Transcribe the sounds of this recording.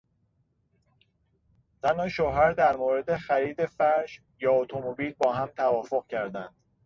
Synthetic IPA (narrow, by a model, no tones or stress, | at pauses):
t̪ʰænhɒːʃoːɦæɾd̪æɾmoːɾe̞d̪e̞xæɾiːd̪e̞fæɾʒ | jɒːot̪ʰomobiːlbɒːɦæmt̪ʰævɒːfo̞ɣcʰæɾd̪ænd̪̥